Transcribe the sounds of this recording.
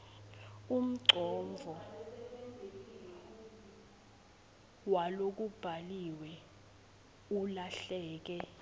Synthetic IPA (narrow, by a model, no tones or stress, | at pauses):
um̩ɡ͡ǀʱɔɱvʱɔ | walok̬ub̥ʱaliwɛ | ulaɬɛːk̬ɛ